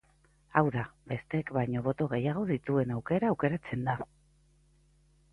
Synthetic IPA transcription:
awðabe̞st̪eekβajɲo̞β̞o̞t̪o̞ɣ̞e̞jaɣ̞o̞ðit̪ue̞nawke̞ɾaːwke̞ɾat͡se̞nd̪a

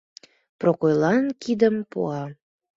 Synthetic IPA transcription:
prokojlˠɑnkid̪əmpṵɑ

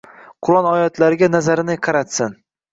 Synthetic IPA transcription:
qʰʊlˠɒnɒjɒt̪ʰlaɾɪɡʲanazaɾɪnɪqʰɑɾat̪sɪn

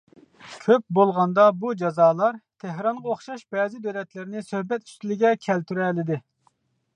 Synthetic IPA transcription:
kʲʰøp̚bolˠʁɑnd̪ɑbud͡ʒɑzɑːlˠɑɾt̪ʰeɦɾɑɴʁɑoχʃɑʃbɛːzɪd̪ølɛt̪lɪɾɪnɪsøhbɛt̪y̥st̪ɪlɪɡʲɛkʲʰɛlt̪yɾɛlɪd̪ɪ

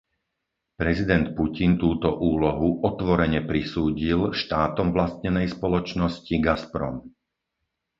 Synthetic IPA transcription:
pɾɛzid̪ɛnt̪pucint̪uːt̪ɔʔuːlɔɦuʔɔt̪ʋɔɾɛɲɛpɾisuːɟilʃt̪aːt̪ɔmʋlast̪ɲɛnɛjspɔlɔt͡ʃnɔsciɡaspɾɔ̰m

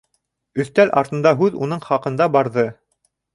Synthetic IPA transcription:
ɵ̆θt̪ælʔɑ̰ɾt̪ɤ̆nd̪ɑɦʉðṵn̪ɤɴχɑqɤ̆nd̪ɑbɑɾðɤ

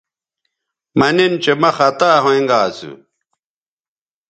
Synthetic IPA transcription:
mɐnint͡ɕemɐxɐt̪aːɦõẽŋɡaːsṵ

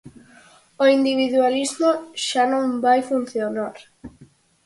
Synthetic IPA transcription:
oind̪iβ̞iðwalizmoʃanõŋbajfunθjonaɾ

